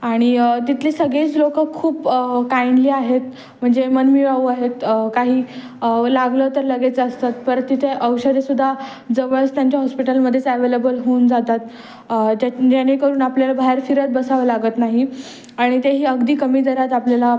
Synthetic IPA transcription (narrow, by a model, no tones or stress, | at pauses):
aɽ̃it̪it̪ʰliːsəɡɭeiːt͡slokəkʰːuːpkainliːaɦet̪ | m̤əɳd͡zemənmiʋaʋuaɦet̪kaɦiː | laɡlət̪əɾləɡet͡səəst̪at̪̚pəɾt̪it̪ʰeʔəwɕəd̪esud̪ʱːa | d͡zəʋəɭst̪jaɲt͡ɕjaɦɔspiʈəlməd̪ʱːjet͡səʋelebəlɦound͡zat̪at̪̚ | d͡ʑanːekəɾuːnapljalabaɦeɾfiɾət̪̚bəsaʋəlaɡət̪naɦi | aɽ̃it̪eɦiːəɡd̪iːkəmiːd̪əɾat̪̬apljala